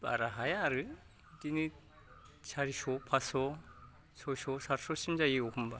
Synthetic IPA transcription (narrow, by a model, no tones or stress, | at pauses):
pa̰ɾaɦajaːɾɯ | tinɯ | sʰaɾisɔpʰasɔ | sʰɔsɔsaɾsɔsimzajiɡɔkʰɯmba